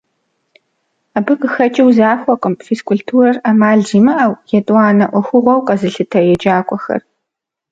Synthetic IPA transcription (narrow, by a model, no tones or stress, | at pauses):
aːbɐqəxɐt͡ʃʼɪwzaːxʷɔqʼəmfiskʷʰʊɬtʰuːrɐramaːɮd͡ʒiːmɐʔawjɛtʼwɑːnɐʔʷɔxʷʊʁʷɔwqʼɐzɨɬɨtʰɐjɛd͡ʒaːkʷʼɔxɐ̰r